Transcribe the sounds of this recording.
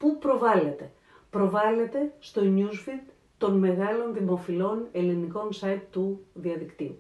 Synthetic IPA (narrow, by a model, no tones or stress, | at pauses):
pupɾo̞vɐle̞t̪e̞ | pɾo̞vɐle̞t̪e̞st̪o̞ɲusfid̪ | t̪o̞nme̞ɣɐlo̞nðimo̞filo̞ne̞liniko̞nsɐit̪ːuðiɐðikt̪iu